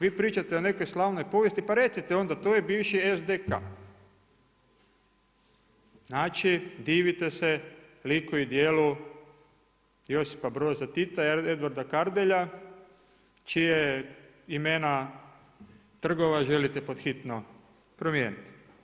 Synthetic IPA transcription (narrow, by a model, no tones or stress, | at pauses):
ʋiːpɾiːt͡ʃat̪eone̞kojslˠaːʋnojpo̞ʋje̞st̪ipaɾe̞t̪sit̪eo̞nd̪at̪ojebiːʋʃiezd̪eka̰ | znaːt͡ʃid̪iːʋit̪eselikoid̪jeːlu | jo̞si̥pabɾozat̪it̪aed̪ʋaɾd̪akaɾd̪eʎa | t͡ʃije | imeːna | t̪r̩ɡo̞ʋaʒe̞lit̪epo̞d̪xit̪no | pɾomjeːnit̪i̥